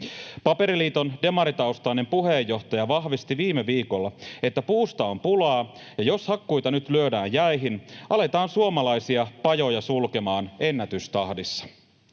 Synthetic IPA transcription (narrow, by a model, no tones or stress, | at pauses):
pɑpe̞ɾiliːt̪onde̞mɑɾit̪ɑuwst̪ɑinempuɦe̞jːo̞ht̪ɑjɑʋɑɦʋist̪iʋiːmeʋiːkolːɑe̞t̪ːæpuːst̪ɑompulɑː | jɑjo̞shɑkːujt̪ɑnyt̪lyødæːnjjæjɦinʔɑle̞t̪ɑːnsuomɑlɑjsiɑpɑjo̞jɑsulke̞mɑːne̞nːæt̪yst̪ɑhdisːɑ̥